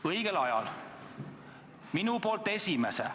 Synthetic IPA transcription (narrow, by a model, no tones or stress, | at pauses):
ɤjɡ̥elɑjɑ̰l | minupo̞ːlt̪ːˑe̞sʲimese